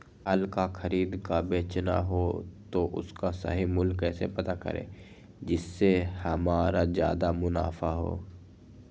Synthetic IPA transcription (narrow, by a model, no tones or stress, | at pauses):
əlkaxɐɾiːd̪kabeːt͡ʃna̰ɦot̪oʔʊ̰skasə̰ɦimʊlkːɛːsepɐt̪akɐ̰ɾḛ̃ː | d͡ʒɪsːehɐmaːɾazjaːd̪amʊna̰ːfaɦo̰ː